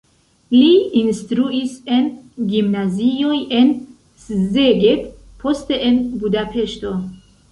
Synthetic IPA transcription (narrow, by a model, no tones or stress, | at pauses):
liinst̪ɾuisenɡimnaziojen | szeɡep | pʰost̪eʔenbud̪apʰeʃt̪o